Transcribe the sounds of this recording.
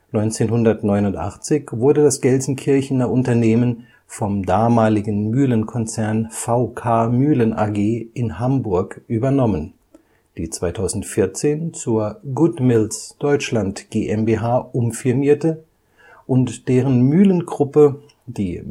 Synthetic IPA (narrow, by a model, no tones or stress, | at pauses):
nɔʏnt͡seːnɦʊndɐtnɔʏnʊntʔa̰χt͡sɪçvʊɐdədasɡ̥ɛlzn̩kʰɪɐçn̩ɐʔʊntɐneːmən | fɔmdaːmaːlɪɡn̩myːlənkʰɔnt͡sɛɐnfaʊkʰaːmyːlənʔa̰ɡeːʔɪnɦambʊɐkʔyːbɐnɔmən | d̥iːt͡sv̥aɪtʰaʊzn̩tfɪɐt͡seːnt͡suːɐɡʊtmɪlsd̥ɔʏt͡ʃlantɡ̥eːʔɛmbeːɦaːʔʊmfɪɐmiːɐtə | ʔʊntd̥eːʁənmyːlənɡʁʊpə | d̥iː